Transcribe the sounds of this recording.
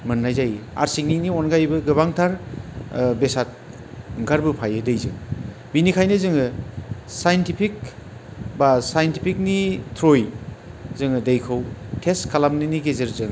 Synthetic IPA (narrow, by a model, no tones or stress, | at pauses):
mɯnːajzaja̰ɾsik̚ninionɡajbɯɡɯβaŋtʰaɾ | besat̚ | ɯŋkʰaɾbɯpʰajɯdejzɯŋ | binikʰajnɯzɯŋɯsajntipʰik̚ | basajntipʰik̚nitʰɾoj | zɯŋɯdejkʰɯwtʰeskʰalamniniɡezɯɾzɯŋ